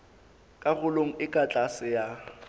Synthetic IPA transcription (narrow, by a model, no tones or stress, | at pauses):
kʼaɣʊloŋ̩ɪkʼat͡ɬʼasɪja